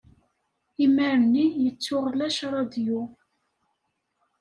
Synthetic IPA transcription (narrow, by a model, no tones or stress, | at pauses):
iməɾənːinjət͡sːʊʁlæʃɾˤɑd̪ju